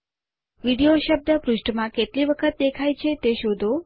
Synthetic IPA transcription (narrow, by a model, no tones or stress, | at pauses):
ʋiɽijoʃəb̚d̪əpɾuʃʈmãkeʈliʋəkʰət̪̚d̪ekʰajt͡ʃʰet̪eʃod̪ʱo